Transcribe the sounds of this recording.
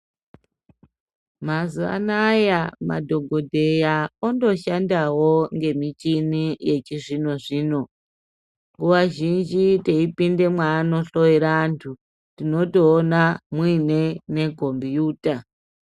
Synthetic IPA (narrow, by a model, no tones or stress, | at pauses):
mazua̰najama̰dʱo̞ɡʱodʱe̞jaondo̞ʃandawoŋɡe̞mit͡ʃinije̞t͡ʃiʐino̞ʐiːno̞ | uwaʒind͡ʒiteipinde̞mwaːno̞ɬo̞iɾantʰu | tino̞toːnamwine̞ne̞kombjuːta